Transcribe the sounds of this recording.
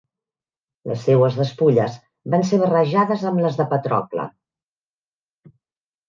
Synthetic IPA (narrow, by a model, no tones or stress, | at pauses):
lə̰sːewəzðəspuʎəz | banseβərəʒaðəzəmləzðəpət̪ɾɔ̰klə̰